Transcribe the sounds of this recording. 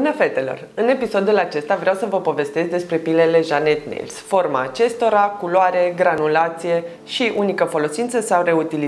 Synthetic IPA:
mnafet̪e̞lo̞̰rɨne̞piso̞d̪ulat͡ʃe̞st̪avɾeawsəvəpo̞ve̞st̪e̞zd̪e̞spɾe̞pile̞le̞ʒane̞t̪nḛlsfo̞rma̰ːt͡ʃe̞st̪o̞ɾakuloaɾe̞ɡɾanulat̪sije̞ | ʃiʔunikəfo̞lo̞sint̪səsawre̞ut̪ili

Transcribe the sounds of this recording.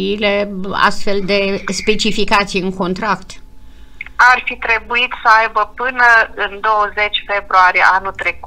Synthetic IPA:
ile̞a̰st̪fe̞ld̪e̞spe̞t͡ʃifikat̪sijɨŋko̞nt̪ɾakt̪ | arfit̪ɾe̞buit̪səajbəpɨnəɨnd̪o̞wəzet͡ʃʲfe̞bɾuaɾijḛʔanut̪ɾeku̥

